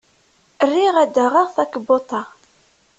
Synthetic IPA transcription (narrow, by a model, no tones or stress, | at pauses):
ərːiʁæd̪əʁaʁθækbot̪ˤːɑ